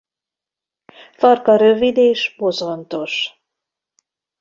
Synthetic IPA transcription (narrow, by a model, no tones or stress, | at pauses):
fɒrkɒɾøvid̪eːʃbozont̪o̞ʃ